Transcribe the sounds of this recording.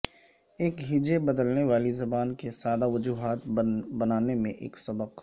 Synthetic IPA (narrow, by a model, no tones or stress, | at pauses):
eːkɦɪd͡ʒebɐd̪əlneʋaːlizɐbaːnkesaːd̪aʋɐd͡ʒuːɦaːt̪bɐnaːnemẽʔḛːksɐbəq